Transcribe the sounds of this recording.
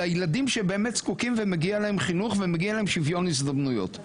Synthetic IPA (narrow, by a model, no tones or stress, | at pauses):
ajeladimʃebe̞ːmet̪skukimvemeɡialahemχinuχvemeɡialaemʃivjo̞nisd̪amnujo̞̰t̪